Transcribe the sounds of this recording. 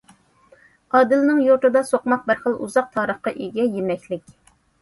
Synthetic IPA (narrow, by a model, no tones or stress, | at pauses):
qɑːd̪ɨlnɪŋjoɾt̪ɨd̪ɑsoqmɑq̚bɪɾχəlˠuzɑq̚t̪ʰɑːɾəχqɑʔeɡʲɛjemɛkʲlɪkʲ